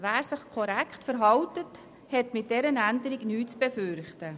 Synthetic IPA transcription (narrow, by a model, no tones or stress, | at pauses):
væːɾsəχkʰɔɾɛkχtfəɾɦɑwtət | hɛtmɪt̚d̥ɛɾənændəɾiɡnyːt͡sb̥efʏɾχtə